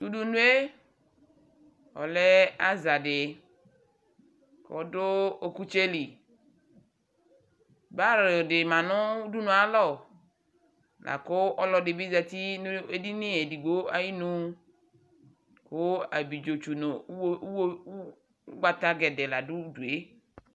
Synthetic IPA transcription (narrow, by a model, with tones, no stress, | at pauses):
t̪u˦du˨nũ˦e˦ | ɔ̰˨lɛ˦a˦za˨dɪ˨ | kɔ̰˨dʊ˦o˨ku˦t͡ʃe˦li˨ | ba˦ɾɪ˨dɪ˨mã˨nʊ̃˦u˦du˦nʊ̃˨a˨lɔ˦˨ | lʔa̰˨kʊ˦ʔɔ˦lɔ˨dɪ˨bi˦za˨t̪i˦e˦di˦nɪ̃˦e˨di˨ɡ͡bo˦a˦ji˦nũ˦ | kʊ˦a˨bi˨d͡ʒo˨t͡ʃu˨nʊ˨˦ | ɡ͡ba˦t̪a˦ɡɛ˨dɛ˨la˨dʊ˦du˨e˦